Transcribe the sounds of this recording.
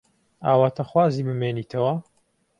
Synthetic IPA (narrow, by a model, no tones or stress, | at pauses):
aːwaːt̪ʰɐxwaːziːbɨmeːniːt̪ʰɐwɐ